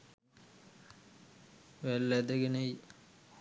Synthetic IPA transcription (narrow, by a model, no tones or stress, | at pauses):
ʋælːæd̪əɡenəj